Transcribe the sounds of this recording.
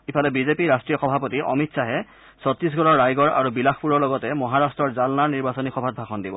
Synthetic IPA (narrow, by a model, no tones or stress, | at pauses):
ipʰalɛbizepiɹastɹijɔxɔbʱapɔtiʔɔ̰mitsaɦɛ | sɔt̪ɹis̬ɡɔɹɔɹːajɡɔɹa̰ɹubilaxpuɹɔɹlɔɡɔtɛmɔɦaɹastɹɔɹzalnaɹniɹbasɔnixɔbʱat̚bʱaxɔndibɔ̰